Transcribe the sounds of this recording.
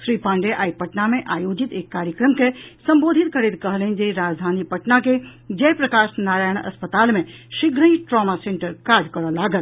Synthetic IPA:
ʃɾiːpãːɳɖeʔaːipɐʈnamẽʔaːjoːd͡ʒit̪eːkːaːɾjəkɾəmkesɐ̃mboːd̪ʱit̪kʰɐɾet̪kɐɦlənd͡ʒeiɾaːd͡ʒd̪ʱaːnipɐʈnaked͡ʒɐjpɾɐkaːʃnaːɾaːjəɽ̃ɐ̰spət̪aːlmẽʃɪɡɾə̃ĩʈɾɔːmasẽːɳʈəɾkaːɾd͡ʒkɐɾəlaːɡəl

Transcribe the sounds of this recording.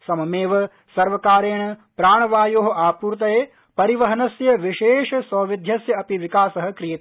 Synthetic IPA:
sɐmɐmeːʋɐ | sɐɾʋɐkaːɾeːɳɐpɾaːɳɐʋaːjoːɦɐ̆ʔaːpuːɾt̪̬ɐjeː | pɐɾiʋɐɦɐnɐsjɐʋiʃeːʂɐsɐːʋid̪ʱjɐsjɐɐpiʋikaːsɐɦɐ̆kɾijet̪

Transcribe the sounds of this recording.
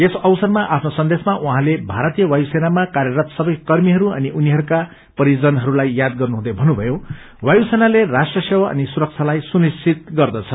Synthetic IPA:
esʌwsʌrmaʔapʰnosʌnd̪esmaʔuɦãlebʱaɾʌt̪ijʌwajusenamakarjʌɾʌt̪sʌbʌjkʌrmiɦʌɾuʌ̰niʔuniɦʌɾuka | pʌɾid͡zʌnɦʌɾulajjad̪̚ɡʌrnuɦũd̪ʌbʱʌnːubʱʌjo | wajusenalerasʈrʌsewaʌ̰nisuɾʌk̚t͡sʰalajsunist͡sʰit̪̚ɡʌrd̪ʌt͡sʰʌ

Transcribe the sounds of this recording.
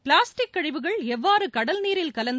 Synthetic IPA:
pɭaːsʈɪkːɐɻɪʋɯɣɐɭɛʋːaːɾɯkɐɽɐlniːɾɪlkɐlɐnd̪

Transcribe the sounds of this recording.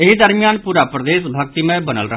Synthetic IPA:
ɪɦid̪əɾmɪjaːnpuːɾaːpɾəd̪eːsbʱək̚t̪iːmɛ̃ːbənə̰lɾəɦ

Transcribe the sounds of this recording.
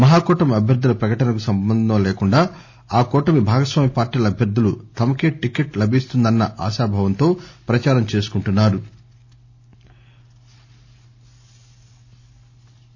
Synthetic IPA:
mɐɦaːkɔːʈɐmɐbʱjɐɾd̪ʱːulɐpɾɐkɐʈɐnɐkusɐmbɐnd̪ʱɐmɐleːkuɳɖaː | aːkɔːʈɐmibʱaːɡɐsʋaːmipaːɾʈiːlɐbʱjɐɾd̪ʱːulut̪ɐmɐke̞ːʈikeʈlɐbʱist̪und̪ɐnːɐʔa̰ːʃaːbʱɐʋɐnt̪o̞ːpɾɐt͡ʃaːɾɐmt͡ʃe̞ːsu̥kuɳʈunːaːɾu

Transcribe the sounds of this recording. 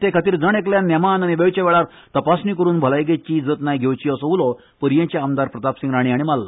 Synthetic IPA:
t̪ekʰat̪iːɾd͡zəɳ̃ekljãnːɛmanañiʋeʋt͡ɕeʋɛɭaɾ | t̪əpasniːkəɾuːnbʱəlajɡet͡ɕid͡zəːt̪najɡʱewt͡ɕiːəsɔulɔ | pəɾjẽt͡ɕaːmd̪aɾpɾət̪apsiŋɡɾaɽ̃iːaɽimalːə

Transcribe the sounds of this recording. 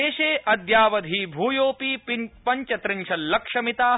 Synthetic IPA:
eːʃeːʔɐd̪jaːʋɐd̪ʱiːbʱuːjoːpiːpɐɲt͡ʃɐt̪ɾɪɲt͡ʃʰɐllːɐkʂɐmit̪aː

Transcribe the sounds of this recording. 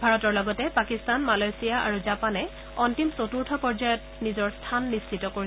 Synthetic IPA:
bʱaɹɔtɔɹlɔɡɔtɛpakistanmalajsijaʔa̰ɹuzapanɛ | ɔntimsotuɹtʰɔpɔɹd͡ʒajɔt̚nizɔɹstʰanːist͡ʃitɔkoɹi

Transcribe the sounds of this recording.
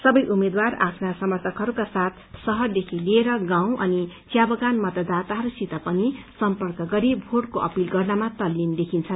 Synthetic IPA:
sʌbʌjʔumed̪wara̰pʰnasʌmʌrt̪ʰʌkɦʌɾukasat̪ʰsʌɦʌrd̪ekʰileːɾʌɡãw̃ʔʌnit͡sjabʌɡanmʌt̪ʌd̪at̪aɦʌɾusit̪ʌpʌnisʌmpʌrkʌɡʌɾibʱoɽkoʔʌpilɡʌrnamat̪ʌlːind̪ekʰint͡sʰʌn

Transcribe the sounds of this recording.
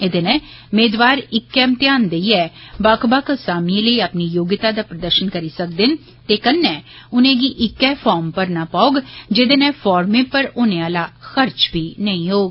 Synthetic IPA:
ɪd̪eːnɛ̃ː | ʊmeːd̪ʋaːɾɪkːɛːmt̪jaːnd̪əiɛːbaːkbaːksaːmiːləiəpniːjoːɡɪt̪aːd̪aːpɾəd̪əɾʃənkəɾiːsək̚d̪ɪn | t̪eːkənːɛ̃ː | ʊnẽːɡiʔɪkːɛːpʰɔːɾmpəɾnaːpaːʊɡd͡ʒɪd̪eːnɛ̃ːpʰɔːɾmẽːpəɾʊnẽaːlaːxəɾt͡ʃbʱiːnəĩɦoːɡ

